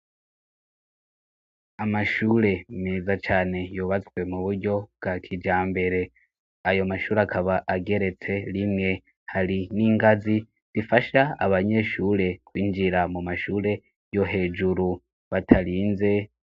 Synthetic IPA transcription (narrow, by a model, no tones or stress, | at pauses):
amaʃuːɾe̞meːzat͡ʃaːne̞juːβat͡swe̞muβuɾɟo̞b̚ɡakʰid͡ʒaːmbe̞ɾe̞ | ajo̞maʃuːɾeakʰaβaʔaɡe̞ɾe̞t͡se̞ɾimŋe̞ | haɾiniːŋɡazi | z̥ifaʃaaβaɲe̞ʃuːɾe̞kwiːnd͡ʒiɾamumaʃuːɾe̞ | jo̞ɦe̞ːd͡ʒuɾu | βatʰaɾiːnze̞